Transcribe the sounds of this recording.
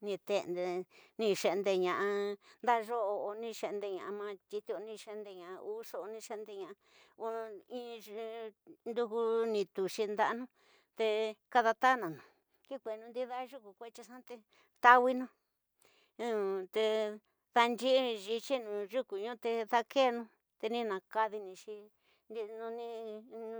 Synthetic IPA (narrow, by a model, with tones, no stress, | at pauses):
nĩ˧t̪e˧nd̪e˧nĩ˧ʃe˧nd̪e˧ɲã˨ʔa˧nd̪a˦˧ʒo˦o˧o˧nĩ˧ʃe˧ʔnd̪e˧ɲã˨a˧mã˧t̪i˧t̪i˧o˧nĩ˧ʃe˧nd̪e˧ɲã˨a˧u˦so˧ʔo˧nĩ˧ʃe˧nd̪e˧ɲã˧˨a˧ | o˧ĩ˦˧ | nd̪u˧ku˧nĩ˧t̪u˨ʃi˧nd̪a˧˦˧nũ˦ | t̪e˧ka˦˧ða˧t̪a˦nã˨nũ˨ | ki˦kʷe˨˧nũ˧nd̪i˦ða˦ʒu˦ku˨kʷe˦t͡ʃi˧ʂã˦t̪e˧ | t̪a˧wi˧nũ˦ | ũ˧˨t̪e˧ | ða˧nd͡ʒi˦ʒi˧t͡ʃi˦nũ˨ʒu˦ku˨ɲũ˦˧t̪e˧ða˧ke˦˧nũ˦ | t̪e˧nĩ˦nã˨ka˧ði˧nĩ˧ʃi˧ | ni˧nũ˧nĩ˧